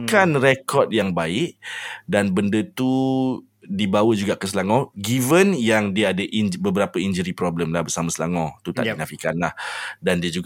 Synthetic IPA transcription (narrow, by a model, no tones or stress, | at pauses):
kanrekɔt̚jaŋbaɪʔ̚danbəndət̪u | dibawəd͡ʒuɡaʔkəsəlaŋɔ̃ɡivənjaŋdiaadəʔinbəbəɾapəiɲd͡ʒəɾipɾɔbləmlahbərsamasəlaŋɔ̃t̪ut̪a̰ʔknãfikanlahdandiəd͡ʒuɡ